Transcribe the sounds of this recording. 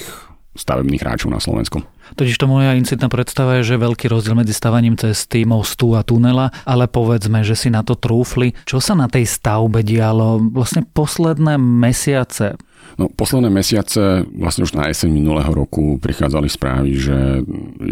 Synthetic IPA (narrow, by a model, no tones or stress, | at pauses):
x | st̪a̰ʋɛ̰bniːɣɾa̰ːt͡ʃɔʊna̰slɔ̰ʋɛ̰nsku | t̪ɔciʃt̪ɔmɔjaint͡sit̪naːpɾɛt̪st̪aʋajɛʒɛɛʋɛʎkiːɾɔzɟɪɛlmɛd͡zist̪aʋaɲiːmt͡sɛst̪imɔst̪uat̪unɛlaʔalɛpɔʋɛd͡zmɛʒɛsinat̪ɔt̪ɾuːflit͡ʃɔsanat̪ɛjst̪aʊbɛɟɪalɔʋlasɲɛpɔslɛd̪nɛːmɛsɪat͡sɛ | nɔpɔslɛd̪nɛːmɛsɪat͡sɛʋla̰sɲɛuʒna̰jɛsɛɲminulɛ̰ːɦɔɾɔkupɾḭxa̰ːd͡zalikspɾa̰ːʋiʒɛ